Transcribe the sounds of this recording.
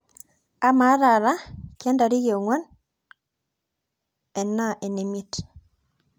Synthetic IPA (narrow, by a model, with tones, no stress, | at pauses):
a˦ma˨˦ɾa˨ɾa˦kjɛ˦nda˨ɾi˦ɣe˨o˨ŋwɔ˦n | ɛ˨na˦ʔe˨ne˨mi˦t